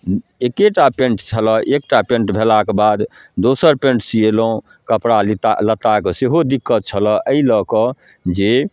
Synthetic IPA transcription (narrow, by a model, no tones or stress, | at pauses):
ekeʈapẽɳʈt͡ʃʰəlɔʔek̚ʈapẽɳʈbʱelakebad̪ | d̪osəɾpẽɳʈsieloũ | kəpɽalit̪alət̪akseɦod̪ikːət̪̚t͡ʃʰəlɔʔəilɔkɔ | d͡ʒe